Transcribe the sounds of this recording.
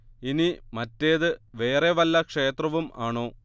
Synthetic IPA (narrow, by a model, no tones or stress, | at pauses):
inimɐtːe̞ːðɨʋe̞ːreʋɐlːɐkʂe̞ːt̪rɐʋumaːɳo̞ː